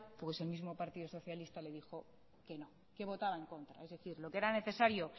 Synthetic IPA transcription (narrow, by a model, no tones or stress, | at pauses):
pwe̞se̞lmizmo̞paɾt̪iðoso̞θjalist̪ale̞ðixo̞ | ke̞no̞ | ke̞β̞o̞t̪aβae̞ŋko̞nt̪ɾa̰e̞zðeθiɾlo̞keeɾane̞θe̞saɾjo̞